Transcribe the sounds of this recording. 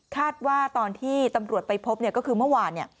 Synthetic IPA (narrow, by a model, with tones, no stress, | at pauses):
kʰaː˥˩t̪̚waː˥˩t̪ɔː˧nt̪ʰiː˥˩t̪a˧mɾu˨˩ət̪̚pa˧jpʰo˦˥p̚ni˥˩kɔː˥˩kʰɯː˧mɯ˥˩əwaː˧nːi˥˩